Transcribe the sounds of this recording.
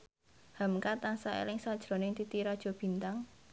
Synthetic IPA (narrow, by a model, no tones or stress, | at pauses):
ha̤mkat̪aŋsaḛlɪŋsad̥ʒ̥ɾo̤nɪŋt̪it̪iɾad̥ʒ̥ɔ̤b̥i̤nt̪aŋ